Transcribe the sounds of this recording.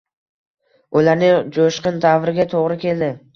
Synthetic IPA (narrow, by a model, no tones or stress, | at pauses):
ʊlaɾnɪŋd͡ʒoʃqɨnd̪avɾɪɡʲat̪ʰoʁɾɪkʲʰe̞ld̪ɪ